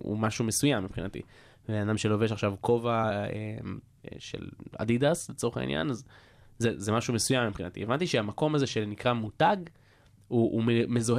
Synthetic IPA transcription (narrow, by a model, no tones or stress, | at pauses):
ṵmaʃumesujamːipχinat̪ḭ | vevenanamʃeloveʃaχʃavkʰo̞vaem̰ | ʃḛla̰d̪id̪aslet͡so̞eχa̰ḭnja̰naz | zezemaʃume̞sujamːipχinat̪ḭevant̪iʃeamako̞maze̞ʃenikʁamutaɡ | uːmemezo̞h